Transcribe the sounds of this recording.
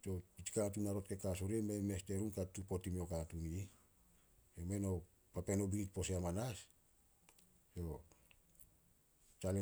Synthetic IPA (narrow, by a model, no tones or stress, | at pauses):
to̞pit͡ʃkat̬unaɾo̞t̚ke̞kasoɾememe̞ste̞ɾunkatupo̞timiokatuni | jomeno̞ | pape̞no̞biɾit̚po̞seamanas | jo̞ | t͡ʃale